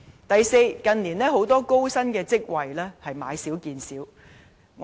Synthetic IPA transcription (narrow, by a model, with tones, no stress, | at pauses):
t̪ɐ˨jse˧jkɐ˨nliː˨˩nlɛː˥ɦo˨˥wt̪ɔː˥ko˥wsɐ˥nkɛː˧t͡sɪ˥k̚wɐ˨jlɛː˥hɐ˨jma̰ː˨˥jsiː˨˥wkiː˨nsiː˨˥w | ŋ